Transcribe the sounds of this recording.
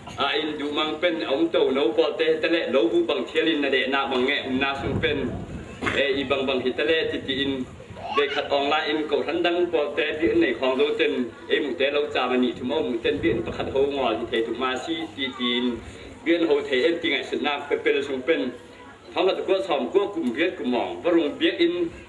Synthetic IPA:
ʔa˨ʔi˧˨ndu˨ʔma˧ŋpɛ˥˨nʔɐ˨u˧˦mt̪o˨wno˧˦wpɔ˧lt̪ɛː˨˦hi˧˨t̪ɛ˧˥lɛ˧ʔlo˧˦wbu˧˨ʔba˨ŋt̪ʰi˧˦ə˦li˧˨nʔa˨dɛ˨ʔnaː˧˨k̚ba˨ŋːɛ˧ʔʔu˧˨mnaː˧su˧ŋpɛ˥˨n | ʔɛ˧˨ʔi˧ba˨ŋba˨ŋɦi˨t̪ɛ˧lɛ˧˨t̪i˨t̪i˨ʔi˧˨n | be˨jkʰa˧t̪̚ʔɔː˧˩ŋlaː˧jʔi˧˨nko˨wra˧˦˥nda˧ŋpɔ˧lt̪ɛː˦bi˧˥ʔnːe˨jkʰɔː˧˨ŋzo˨˦wt̪ɛ˧˨nʔe˨jmu˨t̪ɛ˨˦lo˧wt͡saː˧˩ma˧˨ni˨t̪ʰu˨mʔɔ˧wmu˨t̪ɛ˥˨nbi˧ək̚i˧npa˧˨kʰa˧t̪̚ɦo˧wŋɔ˨t̪i˧˨t̪ʰe˨jt̪ʰu˨maː˧si˧˥˨t̪i˧˨t̪i˨ʔi˧˨n | bi˧ə˥ʔ̚nɦo˧wt̪ʰe˨jʔe˧˨nt̪i˨ŋa˨su˨t̪̚naː˧˩k̚pɛ˧pe˧lsu˧ŋpɛ˥˨n | t̪ʰɔ˧˦ŋkʰa˧t̪̚ku˧˦əʔ̚sʰɔ˨mku˧˦əʔku˨mbi˧˦ət̪̚ku˨mːɔ˨˩ŋvɔ˧ɾu˨˧˨ŋbi˦ək̚ʔi˨n

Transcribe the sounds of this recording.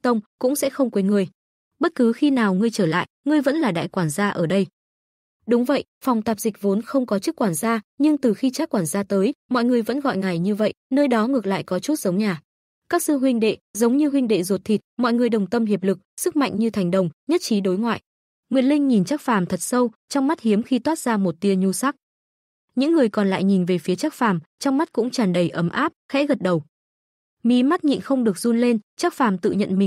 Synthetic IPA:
t̪ə˧wŋ͡mkʊ̰˧˥ŋ͡msɛ̰˧˥xə˧wŋ͡mkwe˨˦ŋɨ˧˩əj | ɓə˦˥t̚kɨ˨˦xi˧naː˨˩wŋɨ˧əjt͡ɕəː˧˩la̰ː˧˨jŋɨ˧əjvə̰˧˥nlaː˨˩ɗa̰ː˧˨jkwaː˧˩nzaː˧ʔəː˧˩ɗə˧j | ɗʊ˨˦ŋ͡mvə̰˧˨j | fa˨˩wŋ͡mt̪aː˨˩p̚zï˨˩k̟̚vo˨˦nxə˧wŋ͡mkɔ˨˦t͡ɕɨ˦˥kːwaː˧˩nzaː˧ɲɨ˧ŋt̪ɨ˨˩xi˧t͡ɕaː˦˥kːwaː˧˩nzaː˧t̪əː˨˦jmɔ̰˧˨jŋɨ˨˩əjvə̰˧˥nɣɔ̰˧˨jŋa˨˩jɲɨ˧və̰˧˨jnəː˧jɗɔ˨˦ŋɨ˨˩ək̚la̰ː˧˨jkɔ˨˦t͡ɕu˦˥t̚zə˨˦wŋ͡mɲaː˨˩ | kaː˦˥k̚sɨ˧ɦwï˧ŋ̟ɗḛ˧˨zə˨˦wŋ͡mɲɨ˧ɦwï˧ŋ̟ɗḛ˧˨zo˨˩t̚t̪ʰi˨˩t̚mɔ̰˧˨jŋɨ˨˩əjɗə˨˩wŋ͡mt̪ə˧mɦi˨˩əp̚lɨ˨˩k̚sɨ˦˥k̚ma̰˧˨jŋ̟ɲɨ˧t̪ʰa˨˩jŋ̟ɗə˨˩wŋ͡mɲə˦˥t̚t͡ɕi˨˦ɗo˨˦jŋwa̰ː˧˨j | ŋwḭ˨˩ən̚lï˧ŋ̟ɲi˨˩nt͡ɕaː˦˥k̚faː˨˩mt̪ʰə˨˩t̚sə˧wt͡ɕɔ˧wŋ͡mma˦˥t̚hi˨˦əmxi˧t̪waː˦˥t̚zaː˧mo˨˩t̚t̪i˧əɲu˧sa˦˥k̚ | ɲɨ̰˧˥ŋːɨ˨˩əjkɔ˨˩nla̰ː˧˨jɲi˨˩nve˨˩fi˨˦ət͡ɕaː˦˥k̚faː˨˩mt͡ɕɔ˧wŋ͡mma˦˥t̚kʊ̰˧˥ŋ͡mt͡ɕaː˨˩nɗə˨˩jʔə˨˦mʔaː˦˥p̚xɛ̰˧˥ɣə˨˩t̚ɗə˨˩w | mi˨˦ma˦˥t̚ɲḭ˧˨nxə˧wŋ͡mɗɨ˨˩ək̚zu˧nle˧nt͡ɕaː˦˥k̚faː˨˩mt̪ɨ̰˧˨ɲə̰˧˨nmï˨˩ŋ̟

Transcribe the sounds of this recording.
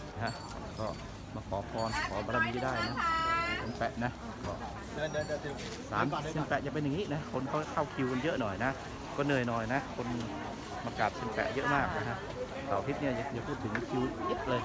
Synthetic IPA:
na˧˩kʰa˦˥ʔ | kɔː˥˩ | maː˧˩kʰɔː˩˦pʰɔː˧nkʰɔː˩˦ba˧ɾa˧miː˧˩daː˥˩jna˦˥ʔsʰa˨˦npɛ̰˨ʔna˦˥ʔ | kɔː˥˩˧ | saː˨˦nse˧npɛ˨˩ʔt͡ɕa˨˩pe˧nja˨ŋiː˦˥na˦˥kʰo˧nkʰaː˦˥˩kʰa˥˩wkʰi˧wko˧njɤ˦˥ʔnɔ˨˩jna˦˥ʔ | kɔː˧˥˩nɯ˧˩əjnɔ˨˩jna˦˥kʰo˧n | maː˧kaː˨˩t̪̚sʰe˧npɛ̰˨˩ʔjə˦˥ʔmaː˥˩k̚na˦˥kʰa˦˥ʔ | saː˨˩w̪ʰi˦t̪̚ni˥˩ɐja˨˩t͡ɕa˨˩pʰuː˥˩t̪ʰːɯ˩˦ŋ˧˥kʰiː˧jə˦˥ʔlɤː˧

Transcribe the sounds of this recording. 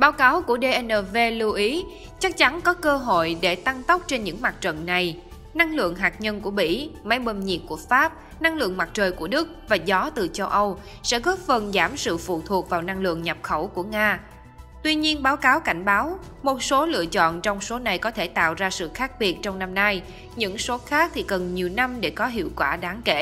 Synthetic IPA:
ɓaː˨˦wkaː˨˦wku˧˩əɗe˧ʔɛ˧nʔəː˧˩ve˧lu˧ʔi˨˦ | t͡ɕa˦˥k̚t͡ɕa˨˦nkɔ˨˦kəː˧ɦo̰˧˨jɗe˧˩t̪a˧ŋt̪ə˦˥k͡p̚t͡ɕe˧nɲɨ̰˧˥ŋma˨˩t̚t͡ɕə̰˧˨nna˨˩j | na˧ŋlɨ̰˧˨əŋɦaː˨˩k̚ɲə˧nku˧˩əmḭ˧˥ma˨˦jɓə˧˩nɲḭ˨˩t̚ku˧˩əfaː˦˥p̚ | na˧ŋlɨ̰˧˨əŋma˨˩t̚t͡ɕəː˨˩jku˧˩əɗɨ˦˥k̚vaː˨˩zɔ˨˦t̪ɨ˨˩t͡ɕə˧wʔə˧w | sɛ̰˧˥ɣɔː˦˥p̚fə˨˩nzaː˧˩msɨ̰˧˨fṵ˧˨t̪ʰu˨˩ək̚vaː˨˩wna˧ŋlɨ̰˧˨əŋɲa˨˩p̚xə˧˩wku˧˩əŋaː˧ | t̪wi˧ɲi˧ənɓaː˨˦wkaː˨˦wka˧˩jŋ̟ɓaː˨˦w | mo˨˩t̚so˨˦lɨ̰˧˨ət͡ɕɔ̰˧˨nt͡ɕɔ˧wŋ͡mso˨˦na˨˩jkɔ˨˦t̪ʰe˧˩t̪a̰ː˧˨wzaː˧sɨ̰˧˨xaː˦˥k̚ɓi˨˩ət̚t͡ɕɔ˧wŋ͡mna˧mna˧j | ɲɨ̰˧˥ŋso˨˦xaː˦˥k̚t̪ʰi˨˩kə˨˩nɲi˨˩əwna˧mɗe˧˩kɔ˨˦ɦḭ˧˨əwkwaː˧˩ɗaː˨˦ŋke˧˩

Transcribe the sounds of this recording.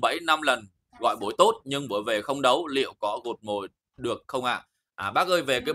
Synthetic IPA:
ɓə̰˧˥jna˧mlə˨˩n | ɣɔ̰˧˨jɓo˨˦jt̪o˦˥t̚ɲɨ˧ŋɓəː˧˩jve˨˩xə˧wŋ͡mɗə˨˦wlḭ˧˨əwkɔ˨˦ɣo˨˩t̚mo˨˩j | ɗɨ˨˩ək̚xə˧wŋ͡mʔa̰ː˧˨ | ʔaː˨˩ɓaː˦˥k̚ʔəː˧jve˨˩kaː˨˦

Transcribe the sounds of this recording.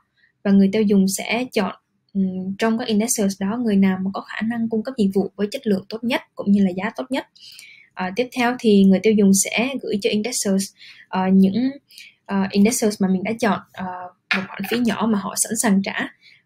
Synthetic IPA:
vaː˨˩ŋɨ˨˩əjt̪e˧wzʊ˨˩ŋ͡msɛ̰˧˥t͡ɕɔ̰˧˨n˨ | t͡ɕɔ˧wŋ͡mkaː˨˦˥k̚ʔi˧nɗɛ˦˥səː˧sɗɔ˨˦ŋɨ˨˩əjnaː˨˩wmaː˨˩kɔ˨˦xaː˧˩na˧ŋkʊ˧ŋ͡mkə˦˥p̚zḭ˧˨vṵ˧˨vəː˨˦jt͡ɕə˦˥t̚lɨ̰˧˨əŋt̪o˦˥t̚ɲə˦˥t̚kʊ̰˧˥ŋ͡mɲɨ˧laː˨˩zaː˨˦t̪o˦˥t̚ɲə˦˥t̚ | ʔəː˨˩t̪i˦˥əp̚t̪ʰɛ˧wt̪ʰi˨˩ŋɨ˨˩əjt̪e˧wzʊ˨˩ŋ͡msɛ̰˧˥ɣɨ̰˧˥jt͡ɕɔ˧ʔi˧nɗɛ˦˥s̚əː˧sʔəː˨˩ɲɨ̰˧˥ŋ | ʔəː˨˩ʔi˧nɗɛ˦˥səː˧smaː˨˩mi̟˨˩ɗa̰ː˧˥t͡ɕɔ̰˧˨nʔəː˨˩ | mo˨˩t̚xwa̰ː˧˨˩nfi˨˦ɲɔ˧˩maː˨˩ɦɔ̰˧˨sa̰˧˥nsaː˨˩ŋt͡ɕaː˧˩˥

